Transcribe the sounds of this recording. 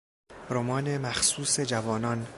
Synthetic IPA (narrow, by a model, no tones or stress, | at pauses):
ɾomɒːnemæxsuːsed͡ʒævɒːnɒːn